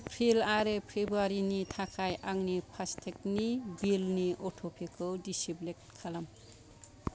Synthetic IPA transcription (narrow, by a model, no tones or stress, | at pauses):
pʰɾilaɾepʰɾebɾuaɾinit̪ʰakʰajʔaŋnipʰast̪ʰek̚nibilniʔoʈʰopʰekowdisiblek̚t̚kʰalam